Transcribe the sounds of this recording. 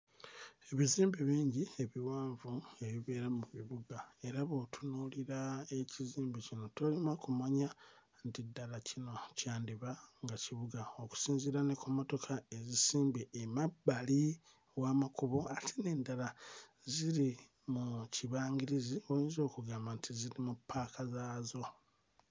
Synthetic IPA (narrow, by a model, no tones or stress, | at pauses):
e̞βiziːmbiβiːɲɟie̞βiwaːɱvue̞βiβeːɾamuβiβuɡae̞ɾaβo̞tʰunuliɾae̞ciziːmbicino̞tolimakumaɲa | ntidːalacino̞caːndiβaŋɡaciβuɡao̞ku̥siːnziɾanekumo̞to̞kʰae̞zisiːmbiʔemabːali | waːmakuβo̞atʰine̞ːndala | ziɾi | muciβaːŋɡiɾiziojiːnzo̞ːkuɡaːmbantʰiziɾimupːaːkazaːzo̞